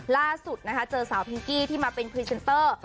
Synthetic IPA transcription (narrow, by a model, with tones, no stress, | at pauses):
laː˥˩su˨˩t̪̚na˦˥kʰa˦˥t͡ɕɤː˧saː˩˦wpʰi˧ŋkiː˥˩t̪ʰiː˥˩maː˧pe˧npʰɾi˦˥se˧nt̪ɤː˥˩